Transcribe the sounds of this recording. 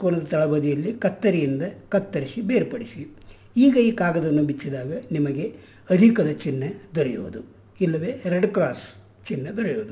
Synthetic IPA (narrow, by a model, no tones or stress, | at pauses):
koːnɐd̪ɐt̪ɐɭɐbɐd̪ijɐlːikɐt̪ːɐɾijind̪ɐkɐt̪ːɐɾisibeːɾpɐɽisi | iːɡɐiːkaːɡɐd̪ɐnːubit͡ʃːid̪aːɡɐnimɐɡe̞ | ɐd̪ʱikɐd̪ɐt͡ʃinːɐd̪ɔɾɛjo̰ːud̪u | ilːɐʋe̞ːɾeɖklaːs | t͡ʃinːɐd̪ɔɾɛjoːd̪u